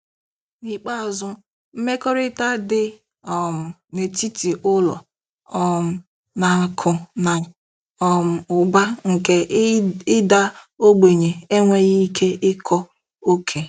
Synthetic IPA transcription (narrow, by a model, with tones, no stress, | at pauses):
ni˨k͡pa˦˨zʊ˦ | m̩˦me˦kɔ˦ɾɪ˦ta˦dɪ˦ | ɔ˨m̩˨ne˨ti˦ti˨ʔʊ˦lɔ̰˨ | ɔ˨m̩˨ | na˨kʰʊ˨na˨ | ɔ˨m̩˨ʊ˨ba˦ŋ̩˨ke˨ɪ˦da˦ | o˦ɡ͡be˨ɲe˨e˦ŋʷe˦ɣi˦kʰe˦ʔɪ˦kʰɔ˦ | o˦kʰe˨